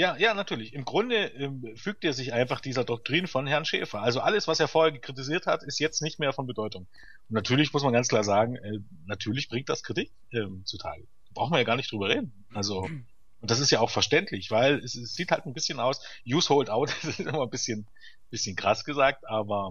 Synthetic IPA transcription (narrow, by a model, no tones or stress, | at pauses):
jaːjaːnatʰyːɐlɪçɪmɡʁʊndəʔɛːmfyːk̚teːɐzɪçʔaɪnfaχd̥iːzɐdɔk̚tʁ̥iːnfɔnɦɛɐnʃḛːfɐʔalzoʔaləsv̥aseːɐfoːɐheːɐɡəkʁ̥it̬iziːɐthatɪstjɛt͡stnɪçtmeːɐfɔnbədɔʏtʊŋ | ʔʊntnatʰyːɐlɪçmʊsmanɡant͡sklaːɐzaːɡŋ̩ʔɛː | natʰyːɐlɪçb̥ʁɪŋtd̥askʁ̥itɪk̚tʔɛːmt͡sutʰa̰ːl | daːb̥ʁaʊxn̩viɐjaːɡaːɐnɪçtd̥ʁyːbɐʁeːdn̩ | ʔalzo | ʔʊnt̚d̥as̬ɪstjaːaʊxfɛɐʃtɛntʰlɪçv̥aɪlɛsɛsz̥iːthaltn̩bɪsçənaʊsjuːshoʊltʔaʊtsɪtʔɪmanbɪsçən | b̥ɪsçənkʁ̥a̰sɡ̥əzaːk̚tʔaːbɐ